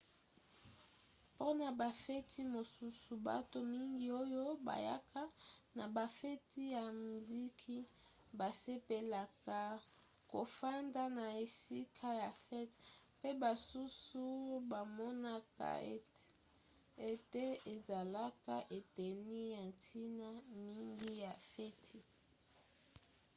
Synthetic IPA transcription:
po˦na˨ba˨fɛ˦tʰi˦mo˨su˦su˨ba̰˦to˦mi˦ŋɡi˨o˦jo˦ba̰˨ja˦kʰa˦na˨ba˨fɛ˦ti˦ja˨mi˨li˦kʰi˦ | ba˨se˦pe˨la˨ka˨ | ko˨fa˦nda˦na˨e˨si˦kʰa˦ja˨fɛ˦tpe˦ba˨su˦su˦ba˨mɔ˦na˦ka̰˨ | e˦te˦e˨za˨la˦ka̰˦˨ʔe˨te˨ni˦ja˨ntʰi˦na˦mi˦ŋɡi˦ja˨fe˦tʰi˨

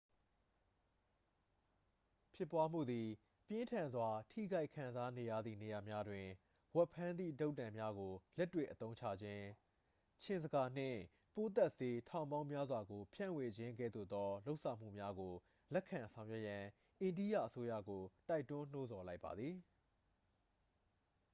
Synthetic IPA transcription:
pʰjɪ˦˨pːwa˦m̥ṵ˦˨d̪i˨ | pjɪ̃˦ntʰã˨nzwa˨tʰḭ˦˨ɡa˦ɪkʰã˨nza˦ne˨ja̰˦˨d̪ðḭ˦˨ne˨ja˨mja˦dwɪ̃˨ | wɛ˦pʰã˦nd̪ðḭ˦˨do˦ʊtːã˨mja˦ɡo˨lɛ˦tːwḛ˦˨ʔət̪õ˦ʊ̃ɲt͡ɕʰa̰˦˨d͡ʑɪ̃˦ | t͡ɕʰɪ̃˨nzə˨ɡa˨n̥ɪ̰̃˦˨ | po˦t̪ɛ˦ʔse˨tʰã˨ʊ̃mbã˦ʊ̃mja˦zwa˨ɡo˨pʰjã̰˦˨we˨d͡ʑɪ̃˦ŋɡɛ̰˦˨d̪ðo̰˦˨d̪ɔ˦lo˦ʊʔsã˨m̥ṵ˦˨mja˦ɡo˨ | lɛ˦kʰːã˨nsʰã˨ʊ̃jwɛ˦ʔjã˨ | ʔẽ˨ndi˦˨jä̰˦˨ʔəso˦ja̰˦˨ɡo˨ta˦ɪtʊ̃˦n̥o˦zɔ˨la˦ɪpːa̰˨d̪ði˨

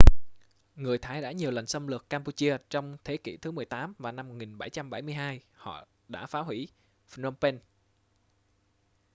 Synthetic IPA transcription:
ŋɨ˨˩əjt̪ʰaː˨˦jɗa̰ː˧˥ɲi˨˩əwlə˨˩jŋ̟sə˧mlɨ˨˩əkːaː˧mpu˧t͡ɕi˧ət͡ɕɔ˧wŋ͡mt̪ʰe˨˦kḭ˧˥t̪ʰɨ˨˦mɨ˨˩əjt̪aː˨˦mvaː˨˩na˧mo˨˩k̚ŋi˨˩nɓa˧˩jt͡ɕa˧mɓa˧˩jmɨ˧əjɦaː˧jhɔ̰˧˨ | ɗa̰ː˧˥faː˨˦ɦwi˧˥ | fnɔ˧mpe˧n

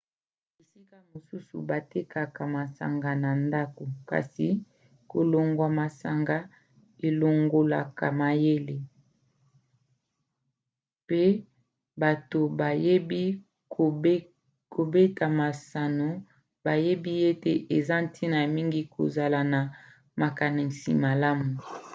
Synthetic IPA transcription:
e˨si˦ka˦mo˨su˦sṵ˨ba˨te˦ka˨ka˨ma˨sa̰˨ŋɡa˨na˨nda˦ko˨ka̰˨si˨ | ko˨lo˨ŋɡwa˨ma˨sa˨ŋɡa˨ | e˨lo˨ŋɡo˨la˨ka̰˨ma˨je˦le˨ | pe˦ | ba˨to˨ba˨je˦bi˦˨˦ | ko˨be˦ta˨ma˨sa˨no˨ | ba˨je˦bi˦e˦te˦ʔe˨za˦n˦tʰi˦na˨mi˦ŋɡi˦kʰo̰˨za˨la˨na˨ | ma˨ka˨ni˨sḭ˨ma˨la˦mu˨

